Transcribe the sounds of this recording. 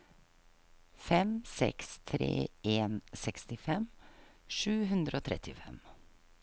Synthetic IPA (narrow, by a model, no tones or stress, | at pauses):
fɛmsɛ̰kst̪ʰɾḛːʔeːnsɛkst̪ɪfɛmʂʉːɦʉnd̪ɾəoːt̪ʰɾɛt̪ʰɪfɛm